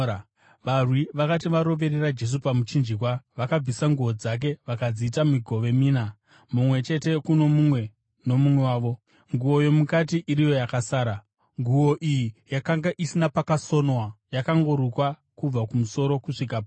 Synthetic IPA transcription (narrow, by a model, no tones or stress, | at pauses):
ʋarwiʋakatiʋaɾo̞ʋe̞ɾerad͡ʒe̞s̬upamut͡ʃind͡ʒik̬waʋakab͡visaŋɡuo̞d͡zak̬e̞ʋakad͡ziːtamiɡʱo̞ʋe̞miːna | mumwe̞t͡ʃe̞te̞kuno̞mumwe̞ | no̞mumwe̞waːʋo̞ | ŋɡuo̞jo̞mukatiʔiɾijo̞jakasaːɾa | ŋɡuo̞ʔijijakaŋɡaʔisinapakaso̞nwajakaŋɡo̞ɾukwa | kub͡vakumuso̞ɾo̞kuʂik̬ap